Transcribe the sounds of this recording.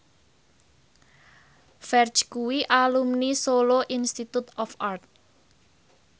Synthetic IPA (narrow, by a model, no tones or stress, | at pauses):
fɛrt͡ʃkuwiʔalumnisoloʔinst̪it̪ut̪ɔfʔart̪̚